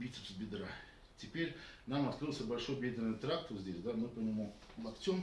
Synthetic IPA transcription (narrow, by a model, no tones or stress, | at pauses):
bʲit̪sɨ̥psbʲɪd̪ɾa | tʲɪpʲeɾʲnamɐt̪kɾɨlˠsʲəbɐlʲʂojbʲed̪ʲɪɾnəjt̪ɾak̚t̪əzʲdʲesʲd̪amɨpənʲɪmu | lˠɐkt͡sʲom